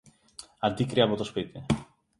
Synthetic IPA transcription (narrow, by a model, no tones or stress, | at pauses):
ɐnd̪ikɾiɐpo̞t̪o̞spit̪i